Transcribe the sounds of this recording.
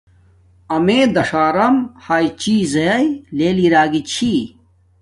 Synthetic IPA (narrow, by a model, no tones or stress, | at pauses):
ɐmeːd̪ɐʂaːɾɐmhaːjt͡ɕiːzɐjɐjleːliɾaːɡit͡ɕʰi